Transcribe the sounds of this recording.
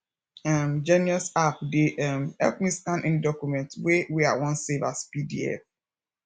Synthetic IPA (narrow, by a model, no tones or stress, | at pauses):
amd͡ʒɛniɔsapdeʔɛmɛ̰kmistãnĩndɔkjumɛ̃ntwewia̰wɔ̃nseva̰spidḭɛ̰f